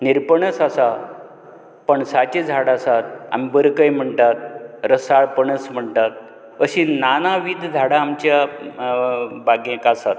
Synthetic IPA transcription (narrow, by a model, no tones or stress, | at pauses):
niɾpəɳəsasa | pəɳsat͡ɕed͡zʱaɽaːsat̪̚a̰mibəɾkəjm̤əɳʈ̪at̪̚ɾəsaɭpəɳəsm̤əɳt̪at̪̚ | əɕinanaʋid̪ʱd͡zʱaɽaːmt͡ɕja | baɡẽkasat̪̚